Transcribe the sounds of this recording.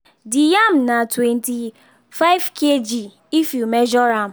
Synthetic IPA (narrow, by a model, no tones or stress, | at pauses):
dijam̩natwenti | faɪvkʰed͡ʒi | ifjumed͡ʒɔɾam̩